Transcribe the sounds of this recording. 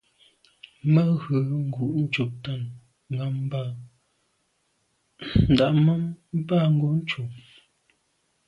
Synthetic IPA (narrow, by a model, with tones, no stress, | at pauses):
mə˦ɣə˨ŋ̩˦ɡu˨ʔn̩˦t͡ʃu˨p̚ta˦˨n | ŋ˨ɡa˦m˦ba˦˨ | n̩˨da˨ʔmə˦m˦ba˦˨ŋ̩˦ɡo˦ʔn̩˦t͡ʃu˨